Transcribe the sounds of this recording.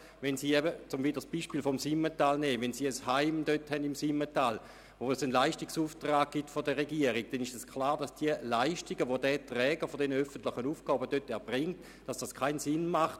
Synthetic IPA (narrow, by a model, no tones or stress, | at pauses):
vɛnsiːɛbət͡sʊmvidəsb̥iʃpiːlfɔmsimətaːlnɛːvɛnsiːəshaɪmd̥øthɛndimsimːətaːl | osənlaɪʃtiksuːftʁaːɡ̚ɡ̥itfodəʁeɡiəʁiɡ̚d̥ɛniʃɛskʰlaːʁd̥asd̥iəlaɪʃtiɡəʋodɛtʁɛːɡəfodɛnəœfəntlɪχənuːfɡɔːbədøtɛɐb̥ʁɪŋt | d̥asd̥askʰaɪnsɪnmaχt